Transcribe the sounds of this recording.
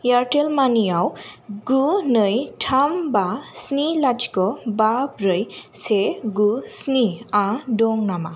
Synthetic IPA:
jaɾʈelmaniawɡunɯjʈʰambasnilad͡ʒkɔbabɾəjseɡusniãɖɔŋnama

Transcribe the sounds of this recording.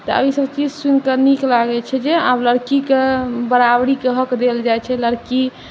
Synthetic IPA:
t̪ɔə̰bʱisəbt͡ʃid͡ʒsunkəniklaɡɛt͡ʃʰɛd͡ʒeabləɾkikebəɾabɽikeɦəkd̪eld͡ʒajt͡ʃʰɛləɾki

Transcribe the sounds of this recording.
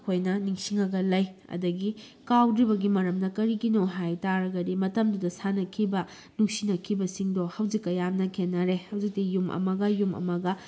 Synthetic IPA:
kʰojnɐniŋsiŋɐɡɐlɐjɐ̰dɐɡi | kawdɾibɐɡimɐɾɐmnɐkɐɾikinowɦajtaɾɐɡɐdimɐtɐmdudɐsanɐkʰibɐ | nuksinɐkʰibɐsiŋdohɐwzikːɐjamnɐkʰenːɐɾehɐwzik̚tijumʔɐ̰mɐɡɐjumɐ̰mɐɡɐ

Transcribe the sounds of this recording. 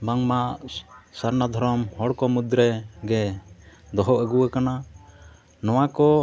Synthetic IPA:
baŋmaʔsaɾnad̪ʱɔɾɔmhɔɽkɔmud̪ɾɛɡɛ | d̪ɔɦɔʔəɡuwakana | nɔwakɔ

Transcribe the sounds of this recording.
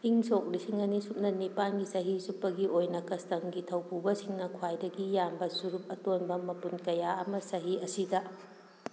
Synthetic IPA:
iŋsok̚lisiŋɐnisup̚nɐnipanɡisɐɦisupːɐɡiʔojnɐkɐstɐŋɡitʰɐwpubɐsiŋnɐkʰwajdɐɡijambɐsuɾup̚ɐtonbɐmɐpunkɐjaɐmɐsɐɦiɐsidɐ

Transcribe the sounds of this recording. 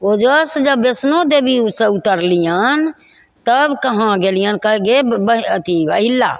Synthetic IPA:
od͡ʒəsd͡ʒəbːesnod̪ebiusẽut̪əɾlijən | t̪əbkəɦãɡelijankəɡebəət̪iəɦilːa̰

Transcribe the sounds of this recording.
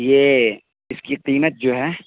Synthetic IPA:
jeː | ɪskiqiːmət̪̚d͡ʒoːɦɛː

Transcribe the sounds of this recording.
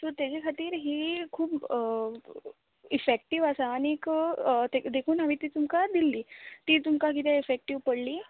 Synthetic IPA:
t̪oɾt̪jat͡ɕekʰat̪iːɾɦiːkʰuːb | ifek̚ʈiʋəsaːñikt̪ed̪ekʰuːnaʋit̪iːt̪umkad̪ilːiːt̪iːt̪̬umkakit̪jaifek̚ʈiʋpəɽliː

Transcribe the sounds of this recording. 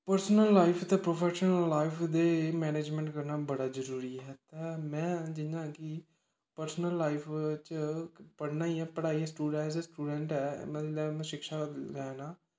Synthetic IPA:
pəɾsnəlːaːɪpʰt̪ɛpɾoːpʰɛːʃənəllːaːɪpʰd̪eːmɛːneːd͡ʒmɛ̃ːɳʈkəɾnaːbəɽaːzəɾuːɾiːɦɛːt̪ɛːmɛ̃ːd͡ʒɪnãːki | pəɾsnəlːaːɪpʰt͡ʃəpəɽnaːiɛ̃ːpəɽaːĩːsʈuːɖɛ̃ːsd̪eːsʈuːɖɛ̃ːɳʈɛ̰ːməlɛːmɛ̃ʃɪkʃaːlɛːnãː

